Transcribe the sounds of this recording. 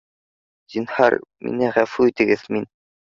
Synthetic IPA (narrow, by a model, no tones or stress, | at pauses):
d̪̥inhɑ̰ɾmʔḭnɘʁæfuit̪ɘ̆ɡɘðmin